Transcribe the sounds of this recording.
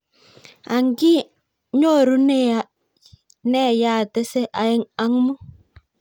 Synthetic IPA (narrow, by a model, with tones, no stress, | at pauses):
a˨ŋɡi˦ | ɲo˦˨ɾu˦n˦˨ | nɛ˦˨ja˦˨tɛ˦sɛ˦ʔa˨jɛ˨ŋa˨˦ŋ˦mu˦